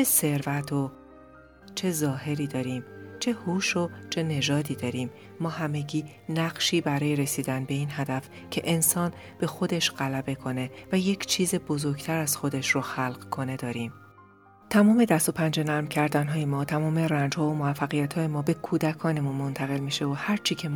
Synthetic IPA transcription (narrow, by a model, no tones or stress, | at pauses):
t͡ʃʰese̞ɾvæt̪ʰo | t͡ʃʰe̞zɒːɦe̞ɾiːd̪ɒːɾiːmt͡ʃʰe̞huːʃo̞t͡ʃʰe̞ne̞ʒɒːd̪iːd̪ɒːɾiːmː | ɒːhæme̞ɟiː | næɢʃiːbæɾɒːje̞ɾe̞siːd̪ænbe̞iːnhæd̪æf | cʰe̞ʔensɒːn | b̥e̞xo̞d̪e̞ʃɢ̥ælæbe̞kʰo̞ne̞væje̞cʰt͡ʃʰiːze̞bo̞zo̞ɾɟt̪ʰæɾæz̥xo̞d̪e̞ʃroxælɢkʰo̞ne̞d̪ɒːɾiːm | t̪ʰæmɒːme̞d̪æst̪o̞pʰænd͡ʒe̞næɾmcʰæɾd̪ænɦɒːjemɒːt̪ʰæmɒːme̞rænd͡ʒhɒːomovæfːæɣijæt̪ʰhɒːjemɒːbe̞kʰuːd̪ækʰɒːne̞munmo̞nt̪ʰæɣe̞lmiːʃe̞ohæɾt͡ʃʰiːcʰe̞